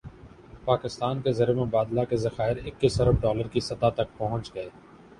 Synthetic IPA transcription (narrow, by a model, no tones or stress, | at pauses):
paːkɪst̪aːnkezɐɾemẽbaːd̪lakezɐxaːɪɾɪkːiːsɐɾəbɖɔːləɾkisɐt̪at̪ɐk̚pɐɦʊ̃ɲt͡ʃɡɐeː